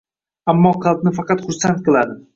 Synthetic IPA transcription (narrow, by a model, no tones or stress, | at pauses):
amːɒqʰɑlˠp̪̚nɪfɑqɑt̪χʊɾsant̪̚qɨlˠad̪ɪ